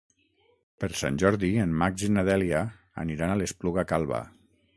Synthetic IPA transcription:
pəɾsa̰nʲʒɔɾðiemmakzinaðɛlja | a̰niɾanalespluɣakalˠβa̰

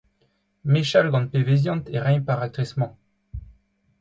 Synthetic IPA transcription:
meʃalɡɑ̃pevezjɑ̃t̪eʁɛ̃ɲpaʁat̪χɛsmɑ̃

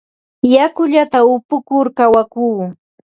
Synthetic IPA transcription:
jakʊʎat̪aʊpʊkʊɾkawakuː

